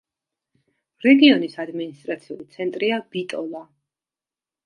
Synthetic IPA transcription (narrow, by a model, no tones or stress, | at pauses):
ɾɛɡiɔnisad̪minist̪ʼɾat̪sʰiulit̪sʰɛnt̪ʼɾiab̥it̪ʼɔlˠa